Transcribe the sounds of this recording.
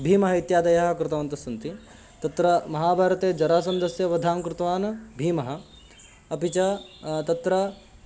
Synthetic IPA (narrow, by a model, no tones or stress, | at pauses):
bʱiːmɐɦɐit̪jaːd̪ɐjɐɦɐkɾɪt̪ɐʋɐnt̪ɐsɐnt̪i | t̪ɐt̪ɾɐmɐɦaːbʱaːɾɐt̪eːd͡ʒɐɾaːsɐnd̪ɐsjɐʋɐd̪ʱaːmkɾɪt̪ɐʋaːnɐbʱiːmɐɦɐ̆ | ɐpit͡ʃɐt̪ɐt̪ɾɐ